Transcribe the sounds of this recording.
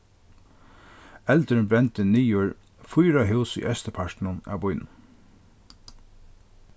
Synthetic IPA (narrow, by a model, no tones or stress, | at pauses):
ɛlt̪əɾnbɾɛnt̪ɪniːʊɹ | fʊjɾaɦɪwsʏ̰ʔɛst̪əpʰaʂt̪nʊna̰wbʊjnʊ̰